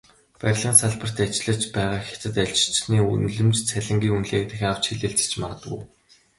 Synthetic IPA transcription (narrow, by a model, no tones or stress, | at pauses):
pæɾʲɮʁə̆ːnsaɮpə̆r̥t̪at͡ɕɪ̆ɮə̆t͡ɕpæːʁaːxʲḁt͡sɘ̆t̪æɮt͡ɕ̆ʰt͡ɕniːṵnɮɘ̆mt͡ɕt͡sʰæɮʲɪ̆ŋɡʲiːŋunɮeːkt̪ɘ̆xʲjaw̥t͡ɕxiɮɘ̆ɬt͡sɘ̥̆t͡ɕmaʁə̆t̪ɡṵː